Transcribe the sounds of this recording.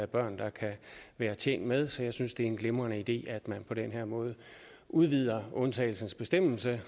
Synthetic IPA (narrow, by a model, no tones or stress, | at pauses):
æb̥ɶɐ̰nd̥ɑ̈kʰæʋæːɐt͡ɕʰḛːnd̥með̞ˠsɒ̽jɑ̈ɪsynsd̥e̝æɐenɡ̥lemʁɐnəid̥e̝̰ːæd̥mænpʰɒ̽d̥enɦeɐmɔ̽ːð̞̩ˠ | ʔuðˠʋið̞̰ˠɐɔ̽nt͡sʰɛ̰ːɪl̩sn̩sb̥e̝sd̥em̰l̩sə